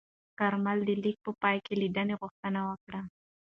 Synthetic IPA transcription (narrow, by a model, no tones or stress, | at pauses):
kaɾmald̪əlik̚pəpɑjkelid̪əneɣʊxt̪ənawəkɽa